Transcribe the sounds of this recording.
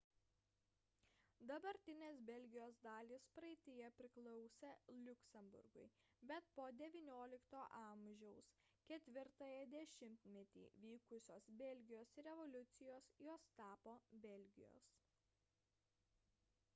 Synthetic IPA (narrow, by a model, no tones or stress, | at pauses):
d̪ɐbɐɾʲt̪ʲɪnʲeːsbʲɛlʲɡʲɪjoːsd̪ɑːlʲiːspɾɐɪt̪ʲɪjɛpʲɾʲɪklˠɔʊsʲɛlʲʊkʲsʲɛmbʊ̰ɾɡʊ̰ɪ | bʲɛt̪poːd̪ʲɛʋʲiːnʲoːlʲɪkt̪oːʔɐmʲʒʲɛʊskʲɛt̪ʲʋʲɪɾt̪ɑːjɛd̪ʲɛʃʲɪmʲt̪ʲmʲɛt̪ʲḭːʋʲiːkʊsʲoːsbʲɛlʲɡʲɪjoːsɾʲɛʋɔlʲʊt̪sʲɪjoːsjoːst̪ɑːpoːbʲɛlʲɡʲɪ̰jo̰ːs